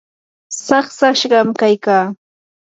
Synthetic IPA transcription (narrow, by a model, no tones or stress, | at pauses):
sɑχsaʃɢɑmkajkaː